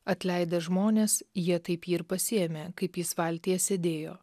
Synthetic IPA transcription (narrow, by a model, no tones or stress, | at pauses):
ɐt̪ʲlʲɛɪd̪ɐʒmoːnʲeːsjiɛt̪ɐɪpiːɾpɐsʲɪɛmʲekɐɪpjɪsʋɐlʲt̪ʲijɛsʲed̪ʲeːjo̰ː